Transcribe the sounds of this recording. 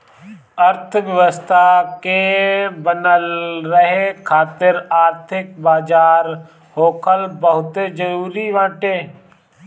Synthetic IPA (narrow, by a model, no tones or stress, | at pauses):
əɾt̪ʰʋjəʋəst̪ʰakebənəlːəɦekʰaːt̪ɪɾaːɾt̪ʰɪk̚baːd͡ʒaːɾ | ɦhoːkʰəlbəɦʊt̪ed͡ʒəɾuːɾiʋãːʈeː